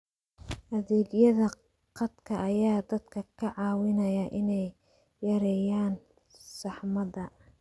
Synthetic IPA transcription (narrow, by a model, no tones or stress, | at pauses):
ʔɐðɛːɡjɐðɐ | qɑd̪kʰɐʔːjaːd̪ɐd̪kʰɐkʰɐʕɑːwɪnɐjɐʔɪnɛjː | ɐɾɛjaːn | sɑħmɐdɐ